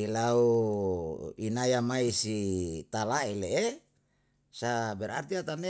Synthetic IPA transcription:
ilau | inajamaisit̪alaeleʔe | sabɛɾa̰rt̪iat̪ane

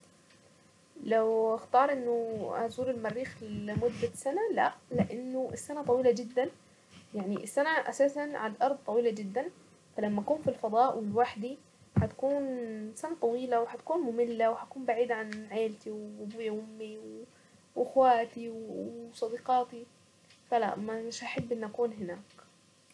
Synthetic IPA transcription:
lawaxt̪ɑːɾˤʔɪnːʊazuːɾɪlmarːiːxlɪmʊd̪ːasanalaʔlɪʔanːʊʔɪsːanat̪ˤɑwiːlad͡ʒɪd̪ːan | jaʕniʔɪsːanaʔa̰saːsanʕad̪ʔɑɾˤd̪̚t̪ˤːɑwiːlad͡ʒɪd̪ːan | falamːaʔakuːmfilfɑd̪ˤɑːʔwɪlwaħd̪i | ħat̪ḁkuːnsanat̪ˤɑwiːlawħat̪ḁkuːnmʊmɪlːawħakuːmbaʕiːd̪ʕanʕeːlt̪iwbuːjaʔʊmːiw | ʔɪxwaːt̪iwsˤɑd̪iːqɑːt̪i | fala̰ʔmaɪʃʔaħabːʔɪnːʔakuːnɦɪnaːk

